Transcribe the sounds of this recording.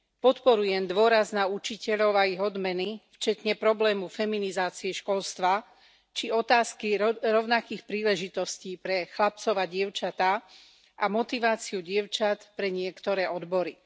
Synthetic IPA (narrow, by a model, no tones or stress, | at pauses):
pɔt̪pɔɾujɛmd̪ʊɔɾaznaut͡ʃicɛʎɔʊaiɣɔd̪mɛnift͡ʃɛt̪ɲɛpɾɔblɛːmufɛminizaːt͡siɛʃkɔlst̪ʋa | t͡ʃiɔt̪aːskiɾɔʊnakiːxpɾiːlɛʒit̪ɔsciːpɾɛxlap̚t͡sɔʋaɟɪɛʊt͡ʃat̪a | ʔamɔt̪iʋaːt͡siuɟɪɛʊt͡ʃat̪pɾɛɲɪɛkt̪ɔɾɛːʔɔd̪bɔɾi